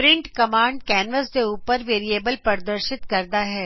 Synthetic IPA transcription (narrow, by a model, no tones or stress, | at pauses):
pɾɪ̃ɳʈkɐmãːɳɖ̚kɛːnʋəsd̪euːpəɾʋeːɾieːbəlpɐɾd̪əɾʃɪt̪kɐɾd̪aɦɛː